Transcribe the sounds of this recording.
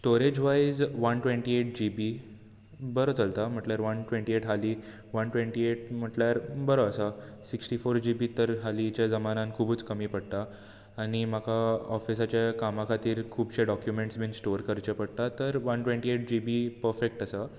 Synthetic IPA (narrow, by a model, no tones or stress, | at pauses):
sʈoɾed͡ʑʋajzʋənʈʋẽɳʈieʈ̚d͡ʑibi | bəɾot͡səlt̪am̤əʈljaɾʋənʈʋeɳʈieʈɦali | ʋənʈʋẽɳʈieʈ̚m̤əʈljaɾbəɾoəsasiksʈifoɾd͡ʑibit̪əɾɦalit͡ɕjad͡zəmanãnkʰuːbuːt͡skəmiːpəɽt̪aː | ñim̤akʰaɔfis̬at͡ɕjakamakʰat̪iːɾkʰuːbɕeɖɔkjumeɳʈsbinsʈoɾkəɾt͡ɕəpəɽt̪at̪əɾʋənʈʋẽɳʈieʈ̚d͡ʑibipəɾfek̚ʈasa